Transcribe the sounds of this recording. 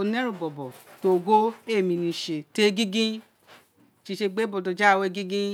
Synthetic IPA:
o˧nɛ̃˦ɾũ˦˨bɔ˨bɔ˨to˧˨ɡo˦e˦˨mĩ˧nĩ˧˨ʃe˨te˦ɡĩ˦ɡĩ˦ | ʃi˧ʃe˧ɡ͡be˦bɔ˧dɔ˧d͡ʒa˦˧we˧ɡĩ˦ɡĩ˦

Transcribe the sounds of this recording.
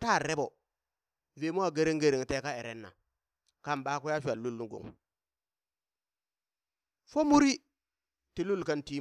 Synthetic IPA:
ta˦˨ɾe˦bo˨ | ve˨˦mu˦wa˨ɡe˦ɾe˦ŋɡe˨ɾi˨ŋ˨te˦ka˦e˨ɾḛ˦nːa̰˨ | ka˦˨mba˦ku˦ja˦ʃʷa˨lːu˦lːu˨ɡṵ˨ŋ | fo˦mu˦ɾi˦ | ti˨lu˦lka˦nti˦

